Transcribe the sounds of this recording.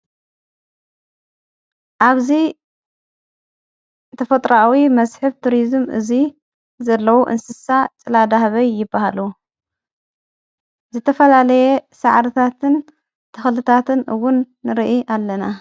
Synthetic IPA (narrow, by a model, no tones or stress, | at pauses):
ʔaβzi | t̪ʰɐfɐt̪ʼɾawimɐsħɨβt̪ʰuɾizmʔɨ̰zi | zɐlːɐwuʔɨ̰nsɨsat͡sʼɨlad̪ahβɐjːɪbːahalu | zɨt̪ʰɐfɐlalɐjesaʕɾɨt̪ʰat̪ʰɨn | t̪ʰɨxlɨt̪ʰat̪ʰɨnʔɨwʊnːɨɾʔiʔalːɐna